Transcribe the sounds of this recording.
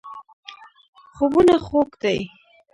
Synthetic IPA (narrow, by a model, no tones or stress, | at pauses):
xobunaxokd̪aj